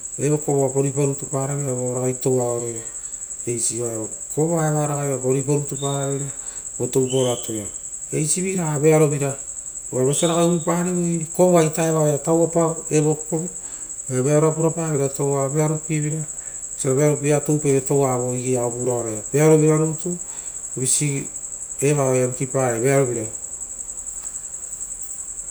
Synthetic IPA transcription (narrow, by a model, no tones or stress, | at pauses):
eβokoβabo̞ɾipoɾutupaɾaβeɾaβoɾaɡajtowaoɾojɾa | ejsiβaeβo | koβaeβaɾaɣaβɾaboɾipoɾutupaβiɾa | botoupoɾatʰoa | ejsiβiɾaβeaɾoβiɾa | aβeseɾaɣaipaɾeβokoβajtaeβaeɾatawapaeβoko | eβeaɾoap̬uɾapaβiɾatowaβe̞aɾupiβiɾa | seɾaβeaɾop̬iɾatowpeβetowaβoiɡiaokuɾaoɾeabeaɾoβiɾaɾoutu | isi | eβajaɾukipaɾeβeaɾoβiɾa